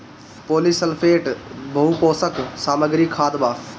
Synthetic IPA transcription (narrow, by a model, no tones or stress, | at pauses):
poːlisəlpʰeːʈbʱɐɦupoːsəksaːməɡɾikʰːaːd̪baː